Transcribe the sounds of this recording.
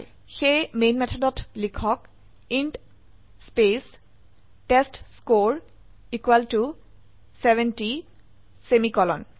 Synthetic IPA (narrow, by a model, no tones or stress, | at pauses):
xejmenmɛtʰɔdɔtʰlikʰɔk | inʈ | spes | ʈestskoɹ | ikwaltu | sɛvɛnti | semikɔlɔ̰n